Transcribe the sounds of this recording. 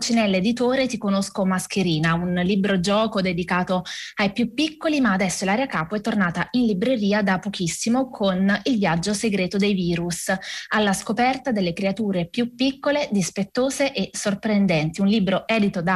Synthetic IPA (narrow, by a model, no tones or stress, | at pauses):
t͡ʃinɛlːed̪it̪oːɾet̪ikonoskomaskeɾiːnaunlibɾod͡ʒɔːkod̪ed̪ikaːt̪oajpjupːikːolimaːd̪ɛsːolaːɾeakaːpoɛt̪ːornaːt̪ainlibɾeɾiːad̪apːokisːimokʰonilvjad͡ʒːoseɡɾeːt̪od̪ejviːɾusalːaskopɛrt̪ad̪elːekɾeat̪uːɾepjupːikːoled̪ispet̪ːoːzeʔesːorpɾend̪ɛnt̪iunliːbɾoɛːd̪it̪od̪a